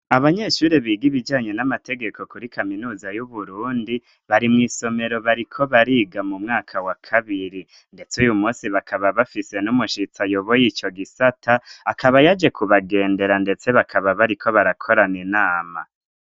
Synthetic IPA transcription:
aβaɲe̞ʃuːɾeβiːɡiβid͡ʒaːɲe̞namatʰe̞ɡe̞kʰo̞kuɾikʰaminuːzajuβuɾuːndi | βaɾimŋiːso̞me̞ɾo̞βaɾikʰo̞βaɾiːɡamumŋaːkʰawakʰaβiɾi | nde̞t͡sujumuːsiβakʰaβaβafise̞numuʃit͡sajoβojiːt͡ʃo̞ɡisatʰaːkʰaβajad͡ʒe̞kʰuβaɡe̞ːnde̞ɾande̞t͡se̞βakʰaβaβaɾikʰo̞βaɾakʰo̞ɾanenaːma̰

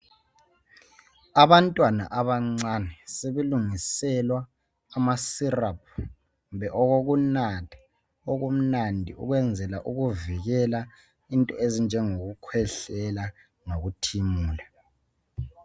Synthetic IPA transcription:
aβantʼwana̰ʔaβaŋ͡ǀanɛseβeluŋisɛlwaː | masirap̚ʰ | βɛʔɔɣoɣunatʰḁ | oɣum̩nandʱḭṵɣwɛnd͡zʱɛlaʔuɣuviɣɛla | intʼɔezind͡ʒʱɛŋoɣukʰwɛɬɛla | noɣutʰimuːla

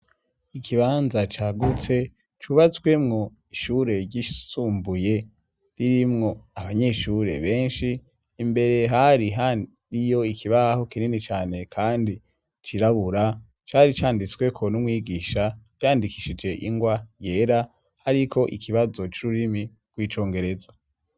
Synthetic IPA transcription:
ikʰiβaːnzat͡ʃaːɡut͡se̞ | t͡ʃuβat͡swe̞mŋo̞ | iʃuːɾe̞ɾɟisuːmbuje̞ | ɾiɾimŋo̞aβaɲe̞ʃuɾe̞̰βe̞ːnʃiː | mbe̞ɾe̞ɦaɾiɦa | ɾijo̞ikʰiβaho̞kininit͡ʃaːne̞kʰaːndi | t͡ʃiɾaβuɾa | t͡ʃaɾit͡ʃaːndit͡swe̞kʰo̞numwiːɡiːʃajaːndikiʃid͡ʒe̞ʔḭŋɡwaje̞ːɾa | haɾikʰo̞ʔikʰiβazo̞t͡ʃuɾuɾimi | ɡ̥wiːt͡ʃo̞ːŋɡe̞ɾe̞zḁ

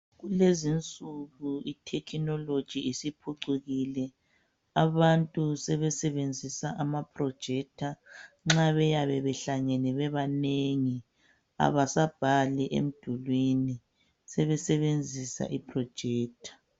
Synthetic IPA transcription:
ɣulezint͡sʼuɣuitʰɛkʰinɔlod̥ʒ̥ʱiːsipʰuǀuɣilɛ | aβantʼusɛβɛsɛβend͡zʱisaʔamapʰʼrɔd̥ʒ̥ʱɛk̚tʰa | ŋ͡ǁaβɛjaβɛβɛɬaŋɛnɛβɛβaneŋi | a̰βasab̥ʱalɛʔḛm̩d̥ʱulwini | sɛβɛsɛβend͡zʱisa̰ʔipʰrɔd̥ʒ̥ʱɛːk̚tʰḁ

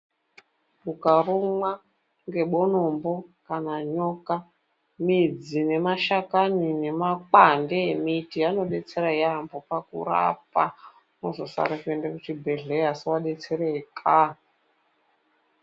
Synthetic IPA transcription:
bukarumwa | ŋɡe̞ɓono̞mbo̞kanaɲo̞ka | mid͡zine̞maʃakanine̞makandeemitiano̞ɗe̞t͡se̞ɾajambopakṵɾa̰p̚a | nozosa̰ɾekendekut͡ʃibʱe̞ɮeasiwaɗe̞t͡se̞ɾekʰa

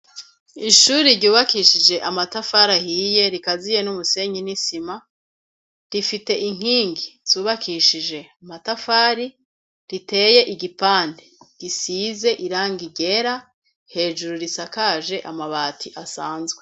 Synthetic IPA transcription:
iʃuɾiɾɟuːβakiʃid͡ʒe̞ʔamatafaɾahije̞ɾikazije̞numuse̞ɲinisima | ɾifite̞ʔiŋ̥iːŋɡiz̥uːβakʰiʃid͡ʒe̞amatafaːɾi | ɾite̞ːje̞ʔiɡipaːndeɡ̥isiːze̞ʔiɾaːŋɡiɟe̞ɾa | he̞ːʒuɾuɾisakaʒe̞ʔamaβaːtʰiʔasaːnzɡwe

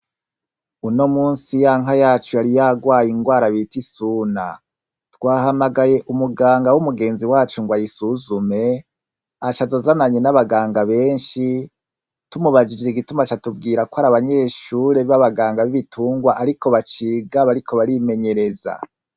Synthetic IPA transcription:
uno̞muːnsijaːŋajaːt͡ʃujaɾijaɡwaːjiŋɡwaːɾaβitisuːna̰ | twaːɦamaɡaje̞ʔumuɡaːŋɡawumuɡe̞ːnziwaːt͡ʃuŋɡwajisuzume̞ | at͡ʃazozanaɲenaβaɡaːŋɡaβe̞ːnʃi | tumuβad͡ʒid͡ʒeɾiɡitumat͡ʃatub̚ɡiːɾakohaɾaβaɲe̞ːʃuːɾe̞βaβaɡaːŋɡaβiβitʰuːŋɡwaʔaɾiko̞βat͡ʃiːɡaβaɾikʰo̞βaɾime̞ɲe̞ɾe̞za̰

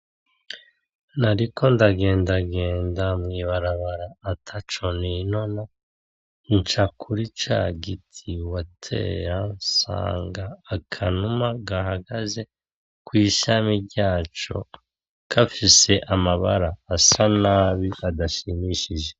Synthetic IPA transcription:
naɾikʰo̞ndaɡe̞ːndaɡe̞ːndamŋiːβaɾaβaɾaːtʰat͡ʃo̞nino̞na | nt͡ʃakʰuɾit͡ʃa̰ɡitʰiwatʰe̞̰ːɾansa̰ːŋɡaːkʰanumaɡaɦaɡaze̞ | kwiːʃamiɾɟaːt͡ʃo̞̰ | kʰafise̞ʔamaβa̰ɾaːsanaːβiadaʃimiʃiʒe̞

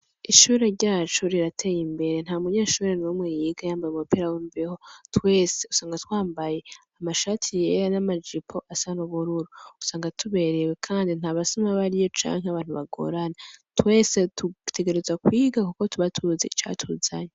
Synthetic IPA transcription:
iʃuːɾe̞ɾɟaːt͡ʃoɾiɾatʰe̞jimbe̞ɾe̞n̥haːumuɲeːʃuːɾe̞nomŋejiɡajaːmbajumupiɾawiːmbeho̞twe̞ːse̞usaːŋɡatwaːmbaje̞amaʃaːtʰije̞ɾanamad͡ʒipʰo̞ʔasanoβuɾuɾuusaːŋɡatʰuβe̞ɾe̞we̞kʰaːndin̥haːβasomaβaɾijo̞t͡ʃa̰ːŋɦeaβaːn̥uβaɡo̰ɾanatwe̞ːse̞tutʰe̞ɡe̞ɾe̞zwakwiːɡakuko̞tuβatʰuzeit͡ʃa̰tʰuza̰ɲe

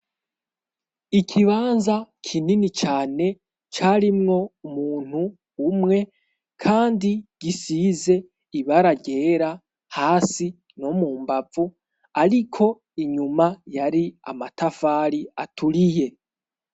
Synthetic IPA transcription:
ikʰiβaːnzakʰininit͡ʃaːne̞ | t͡ʃaɾimŋo̞umuːn̥huː | mŋe̞ | kʰaːndiɡ̥isize̞ | iβaɾaɡe̞ːɾa | haːsi | nomuːmbavu | aɾikʰo̞ | iɲumajaɾia̰matʰafaːɾiatʰuɾije̞

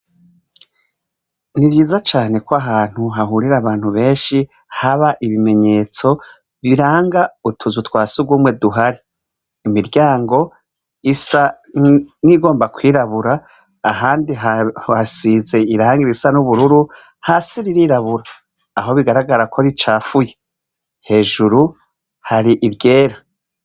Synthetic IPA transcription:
niβjiːzat͡ʃaːne̞koaɦaːn̥huɦaɦuːɾiɾaβaːn̥huβe̞ːnʃi | haβaʔiβime̞ɲe̞ːt͡so̞ | βiɾaːŋɡautʰuzutwaːsuɡwuːmwe̞duɦaɾiː | miɾɟaːŋɡo̞ | isa | niɡo̞ːmbakwiːɾaβuɾaː | ɦaːndiɦaasiːze̞iɾaːŋɡiɾisanuβuɾuɾu | hasiɾiɾiɾaβuɾaː | ɦo̞βiɡaɾaɡaɾakʰo̞ɾit͡ʃaːfuje | he̞ːʒuɾu | haɾiʔiɾɟe̞ːɾa

